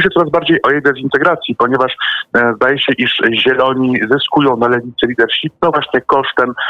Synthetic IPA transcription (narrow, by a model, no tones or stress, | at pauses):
ɕ̬ɛt̪sɔɾazbaɾd͡ʑejʔɔjɛd̪ɛzint̪ɛɡɾat̪sʲjipɔɲɛvaʂzd̪ajɛɕɛʔiʂʑɛlɔɲizɘskujɔ̃w̃nalɛvʲit̪sɛlʲid̪ɛɾɕip̚nɔ̃vwaɕɲɛkɔʂt̪ɛm